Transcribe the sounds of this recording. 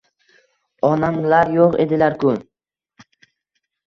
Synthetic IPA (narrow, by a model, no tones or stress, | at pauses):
ɒnamlaɾjoqe̞̰d̪ɪlaɾkʰʊ